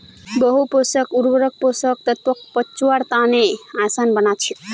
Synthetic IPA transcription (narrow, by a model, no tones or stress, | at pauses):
bʌɦuposʌkuɾbəɾʌk̚posʌk̚t̪ʌt̪̚pʌk̚pʌt͡ʃuwaɾt̪aneãsanbʌnat͡ʃʰiu